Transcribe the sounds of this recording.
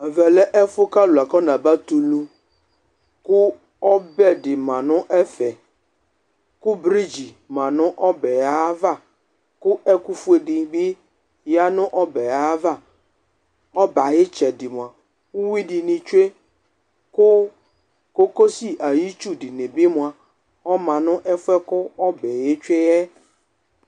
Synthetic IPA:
ɛ˨vɛ˨lɛ˦ʔɛ˦fʊ˦ka˦lʊ˨a˨kɔ˦nã˨ba˦t̪u˨lu˦ | kʊ˦ | ɔ˦bɛ˦dɪ˨mã˨nʊ̃˦ʔɛ˦fɛ˨ | kʊ˦bɾi˦d͡ʒi˨ | mã˨nʊ̃˦ʔɔ˦bɛ˨a˦va˦˨ | kʊ˦ʔɛ˦ku˦fu˦e˨dɪ˨bɪ˦ | ja˦nʊ̃˦ʔɔ˦bɛ˨a˦va˦˨ | ɔ˦ba˨jɪ˦t͡ʃɛ˨dɪ˨mʊ̃˨a˨ | u˦wi˦dɪ˨nɪ̃˨t͡ʃe˦ | kʊ˦ | ko˦ko˦si˦ʔa˨ji˦t͡ʃu˦dɪ˨nɪ̃˨bɪ˦mʊ̃˨a˨ | ɔ˦mã˨nʊ̃˦ʔɛ˦fɛ˦kʊ˦ɔ˦bɛ˨je˦t͡ʃe˦jɛ˦

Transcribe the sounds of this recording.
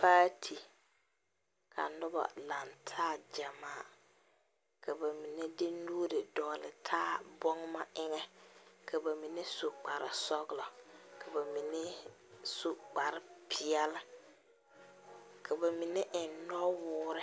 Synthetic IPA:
paː˦tʰi˨ | kʰa̰˨nʊ˦ba̰˨la˨ntʰaː˦d͡ʒa˨maː˦ | kʰa˨ba˨mi˨nɛ˦dɪ˦nuː˦ɾɪ˨dɔː˨lɪ˨tʰaː˦bɔ˦ŋma˦ʔɪ˦ŋɛ˦kʰa˨ba˨mi˨ne˦su˨k͡pa˨ɾɪ̰˨sɔ˦ɣlɔ˨kʰa˨ba˨mi˨ne˦ | su˨k͡pa˨ɾɪ˦pʰɪ˨ɛ˦lɪ˦ | kʰa˨ba˨mi˨nɛ˦ʔɪ˨nnɔ˦wʊː˦ɾɪ˦

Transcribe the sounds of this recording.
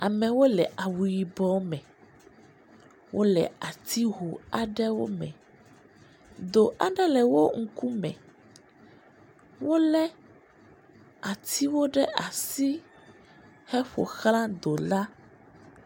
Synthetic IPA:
a˨mɛ̃˨wo˦lɛ˨ʔa˨wu˨ji˨bɔ˦mɛ̃˨ | wʔo˦lɛ̰˨a˨t̪ʰi˦ɦo˨a˨ɖɛ˦wo̰˦mɛ̰̃˨ | d̪o˨ʔa˨ɖɛ˦lɛ˨wo˦ŋ̩˦ku˦mɛ̰̃˨ | wo˦lɛ˦ | a˨t̪ʰi˦wo˦ɖɛ˦ʔa˨si˦ | hɛ˦ɸo̰˨xlã˦d̪o˨la˦

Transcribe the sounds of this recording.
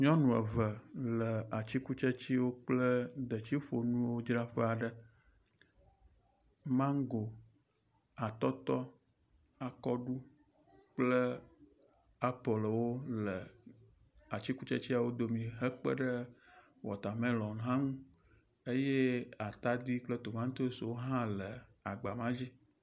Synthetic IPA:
ɲɔ̃˦nũ˨ə̰˨və˨lə˨a˨t͡ɕi˦ku˦t͡ʃe˦t͡ɕi˦wo˦k͡plə˦d̪ə˨t͡ɕi˦ɸo˨nũ˦wo˦d͡ʒɾa˦ɸɛ˦a˨ɖə˨ | mã˦ŋ˦ɡo˨ | a˨t̪ɔ˦t̪ɔ˦ | a˨kɔ˦ɖu˦ | k͡plə˦ | a˦po˨lo˨wo˦lə˨ | a˨t͡ɕi˦ku˦t͡ʃe˦t͡ɕi˦a˨wo˦d̪o˨mĩ˨ɦə˦k͡pə̰˦ɖə˦ | wɔ̰˨t̪a˨mẽ˦lɔ̃˨n˨ɦã˦ŋũ˦ | e˦je˦a˨t̪a˦d̪i˦k͡plə˦t̪o˨mã˦ŋ˦t̪o˦swo˦ɦã˦lə˨a˨ɡ͡ba˨mã˦d͡ʑi˦

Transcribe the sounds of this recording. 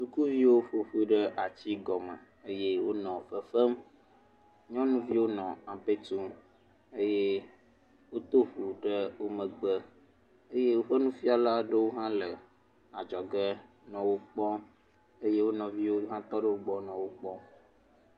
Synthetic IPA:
su˨ku˦vi˦wo˦ɸo˨ɸu˦ɖə˦ʔa˨t͡ɕi˦ɡɔ˨mə̰˨ | e˦je˦wo˦nɔ̃˨ɸə˨fə˦m | ɲɔ̃˦nũ˦vi˦wo˦nɔ̃˨a˨pe˦t̪u˦m | e˦je˦ | wo˦t̪o˦ɸu˨ɖə˦wo˦mə̃˨ɡ͡bə˦ | e˦je˦wo˦ɸə˦nũ˦fi˦a˨la˦ɖə˦wo˦ɦã˦lə˨ | a˨d͡ʒɔ˨ɡə˦ | nɔ̃˨wo˦k͡pɔ˦ | e˦je˦wo˦nɔ̃˨vi˦wo˦ɦã˦t̪ɔ˦ɖə˦wo˦ɡ͡bɔ˦nɔ̃˨wo˦k͡pɔ˦

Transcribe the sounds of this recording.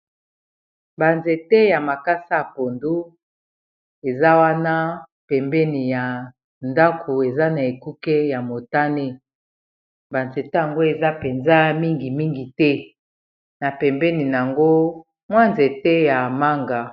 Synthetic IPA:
ba˨nze˨tɛ˦ja˨ma˨ka˦sa˦˨po˨ndu˦ | e˨za˦wa˦na˦ | pɛ˨mbɛ˦ni˨ja˨ | nda˦kʰo˨e˨za˦na˨e˨ku˦kɛ˦ja˨mo˨ta˦ne˦ | ba˨nze˨te˦ja˨ŋɡo˦e˨za˦pe˨nza˦mi˦ŋɡi˨mi˦ŋɡi˨tɛ˦ | na˨pɛ˨mbɛ˦ni˨n˨a˨ŋɡo˦ | mwa˦nze˨tɛ˦ja˨ma˦ŋɡa˨

